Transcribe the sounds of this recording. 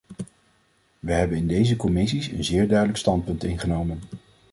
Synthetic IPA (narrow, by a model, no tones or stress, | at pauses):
ʋəɦɛbənɪndejzəkɔmɪs̬isə̰nzɪːɹdœɥdələkstɑnt̚pɵntɪnχənowmən